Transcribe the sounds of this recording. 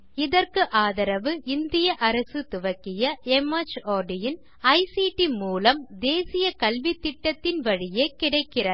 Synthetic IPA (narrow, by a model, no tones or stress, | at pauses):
ɪðɐrkɯʔaːðɐɾɐʋɯʔɪnd̪ɪjɐʔɐɾɐsɯt̪ʊʋɐkːɪjɐɛmɐt͡ʃoːɾɖɪjɪn | ɐɪsiːʈimuːlɐmd̪eːsɪjɐkɐlʋɪt̪ːɪʈːɐt̪ːɪnʋɐɻɪjeːkɪɽɐɪkːɪrɐɾ